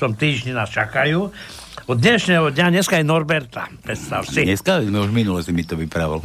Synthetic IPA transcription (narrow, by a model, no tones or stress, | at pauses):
ɔmt̪iːʒɲinaːst͡ʃakajuː | ɔd̪ɲɛʃnɛɦɔd̪ɲaɲɛskaɛnɔɾbɛɾt̪a̰pɾɛt̪st̪a̰wsiɲɛskaʋizmɛuʒminulɔsimit̪ɔʋipɾaʋil